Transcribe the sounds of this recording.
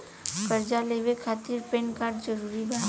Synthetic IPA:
kəɾd͡ʒalebekʰaːt̪iɾpẽnkaːɾɖd͡ʒəɾuɾiba

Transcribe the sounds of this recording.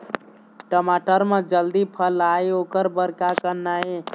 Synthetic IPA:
ʈəmaʈəɾmed͡ʒəld̪ipʰəlaiokəɾbəɾkakənːae

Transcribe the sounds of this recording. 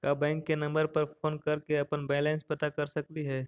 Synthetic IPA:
kaːbɛ̃ːŋkːenɐ̃mbəɾpɐɾfoːnkɐɾkeɐpənbɛːlɛ̃ːnspɐt̪akɐɾsɐk̚t̪iɦɛː

